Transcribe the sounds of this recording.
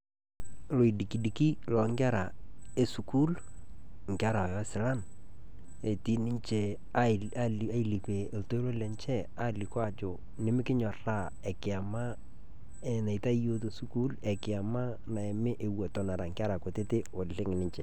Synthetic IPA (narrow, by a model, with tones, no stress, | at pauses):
lo˨i˨di˨ki˨di˨ki˦lɔ˨ŋɡa˦ɾa˨e˦su˨ku˦l | ŋɡa˦ɾa˨jɔ˦sɪ˨la˦n | e˨ti˦nɪ˦ɲt͡ʃe˨ | a˦ | a˦i˨li˨pe˨lto˦i˦lo˦lɛ˨ɲt͡ʃɛ˦ | a˦˨lɪ˨kwa˨t͡ʃo˨ | nɪ˨˦mɪ˦kɪ˦ɲɔ˨ra˦˨ | ɛ˨kɪ˨a˨ma˦ | e˨na˨ɪ˨ta˦i˦jo˦t̬o˨su˦ku˦lɛ˨kɪ˨a˨ma˦ | na˨e˨mɪ˦ʔe˨wɔ˨tɔ˨˦na˨ɾa˨ŋɡa˦ɾa˨ko˨te˦te˦o˨llɪ˦ŋɪ˨nɪ˦ɲt͡ʃɛ˨